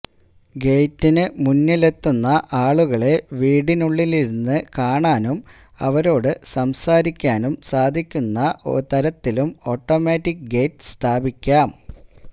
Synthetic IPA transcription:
ɡe̞ːtːinɨmunːɨle̞t̪ːunːɐʔaːɭuɣɐɭe̞ʋiːɽinuɭːiliɾunːɨkaːɳaːnum | ɐ̰ʋɐɾo̞ːɽɨsɐmsaːɾikʲːaːnumsaːd̪ʱikʲːunːɐʔo̰ɾt̪ɐɾɐt̪ːilumo̞ːʈːo̞ːmaːtːikɡe̞ːtst̪ʰaːbʱikʲːaːm

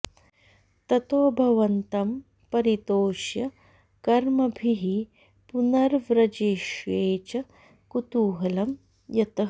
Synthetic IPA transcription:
t̪ɐt̪oːbʱɐʋɐnt̪ɐm | pɐɾit̪oːʃjɐ | kɐɾmɐbʱiɦi | punɐɾʋɾɐd͡ʒeːʃʋeːt͡ʃɐ | kut̪uːɦɐlɐm | jɐt̪ɐ

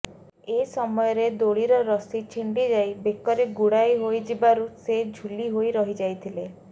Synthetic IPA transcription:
esɔmɔjɔɾed̪oɭiɾɔɾɔsit͡ʃʰiɳɖid͡ʒajbekɔɾeɡuɽajɦojd͡ʒibaɾused͡ʒʱuliɦojɾɔɦid͡ʒajt̪ʰile

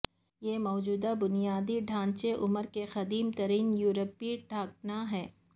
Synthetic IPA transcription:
jeːmɔːd͡ʒuːd̪abʊnijaːd̪iɖʱãːɲt͡ʃeʔʊməɾkexɐd̪iːmt̪ɐɾiːnjuːɾəpiʈʰaːk̚naɦɛː

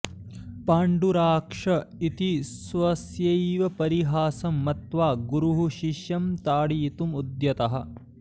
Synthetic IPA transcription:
paːɳɖuɾaːkʂɐit̪isʋɐsjɐjʋɐpɐɾiɦaːsɐmːɐt̪ʋaːɡuɾuɦuʃiʃjɐmt̪aːɽiːt̪umud̪jɐt̪ɐɦɐ̆

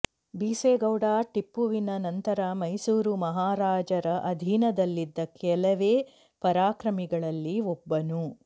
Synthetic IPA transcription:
biːseːɡɐwɖaːʈipːuʋinɐnɐnt̪ɐɾɐmɐjsuːɾumɐɦaːɾaːd͡ʒɐɾɐʔɐd̪ʱinɐd̪ɐlːid̪ːɐkɛlɐʋeː | pɐɾaːkɾɐmiɡɐɭɐlːiɔbːɐnu

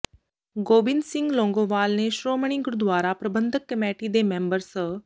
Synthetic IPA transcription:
ɡoːbɪnsɪ̃ŋɡlõːŋɡoːʋaːlneʃɾoːməɳ̃iɡʊɾd̪ʋaːɾapɾəbənd̪ʱəkːəmeːʈid̪emẽːmbəɾs

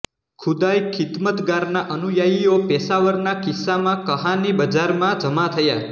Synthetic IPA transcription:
kʰud̪ajkʰɪt̪mət̪ɡaɾnaʔənujajiopɛsaʋəɾnakisːamãkəɦãnibəd͡ʒaɾmãd͡ʒəmat̪ʰəja

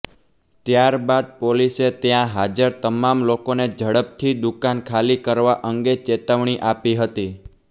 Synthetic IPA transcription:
t̪jaɾbad̪̚poliset̪jãɦad͡ʒəɾt̪əmamlokoned͡ʒʱəɽəp̚t̪ʰid̪ukankʰalikəɾʋaʔəŋɡet͡ʃet̪əʋɳ̃iʔapiɦət̪i

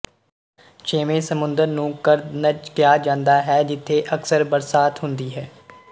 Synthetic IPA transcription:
t͡ʃeːʋẽːsəmʊ̃nd̪əɾnũːkəɾnət͡ʃkjaːd͡ʒãːnd̪aːɦɛːd͡ʒɪt̪ʰːeːʔəksəɾbəɾsaːt̪ɦʊnd̪iːɦɛː

